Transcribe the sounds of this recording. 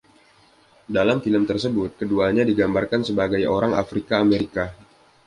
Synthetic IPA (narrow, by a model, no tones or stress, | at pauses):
dalamfiləmt̪ərsəbʊt̪̚kəduaɲadiɡambarkansəbaɡajoɾaŋa̰fɾikaːmeɾika